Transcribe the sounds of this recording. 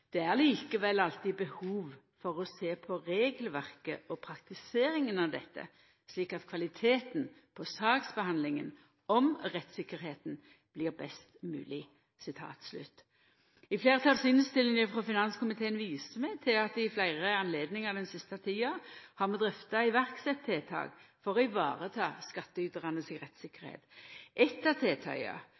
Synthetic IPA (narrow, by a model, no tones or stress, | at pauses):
d̪̥ɛæʁliːkəʋɛlːɑlt̪ɪbəhuːʋ | fɔʁɔseːpʰɔʁeːɡəlʋæʁkəʔɔpʰʁɑkt̪ɪseːɾɪŋənɑʋd̪ɛ̰t̪ːə̰ | sliːkɑt̪kʰʋɑlɪt̪ʰeːt̪n̩ | pʰɔsɑːksbəhɑnd̪lɪŋə̰n | ɔmʁɛt̪sɪkːəɾheːt̪n̩ | b̥lɪːʁbɛst̪mʉ̰ːlɪ | sɪt̪ʰɑ̰ːt̪slʉ̰t̪ | ɪfleːʁət̪ʰɑlsyːnəst̪ɪlːɪŋəfʁɔfɪnɑnskʊmɪt̪ʰeːənʋiːsəmɛt̪ʰɪlɑt̪ɪflæɪʁəɑnleːd̪nɪŋəʁd̪ɛnsɪst̪ɑt̪ʰiːɑhɑmɛd̪ʁɛft̪ɑɪʋæʁksɛt̪ʰːeːt̪ʰɑ̰ːɡfɔʁɔɪʋɑ̰ːʁət̪ʰɑːskɑt̪ːəʏːt̪əʁɑnəsɪʁɛt̪sɪkːəʁhḛːt̪ʔɛt̪ːɑt̪ʰeːt̪ʰœ̰ʏɑ̰